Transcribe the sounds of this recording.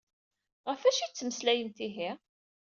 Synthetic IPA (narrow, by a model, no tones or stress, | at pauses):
ʁəfæʃit͡sːməslæjənt̪iɦi